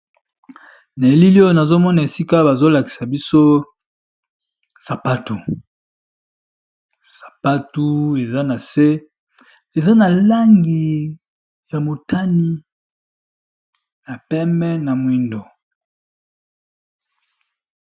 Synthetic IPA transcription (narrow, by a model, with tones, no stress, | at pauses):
na˨e˨li˦li˦o˦jo˦na˨zo˦mɔ˦na˨e˨si˦ka˦ba˨zo˦la˨ki̥˨sa˨bi˦so˦ | sa˨pa˦tu˨ | sḁ˨pa˦tu˦e˨za˦na˨se˦ | e˨za˦na˨la˦ŋɡi˨ | ja˨mo˨ta˦ni˦ | na˨pɛ˦mɛ˦na˨mwi˦ndo˨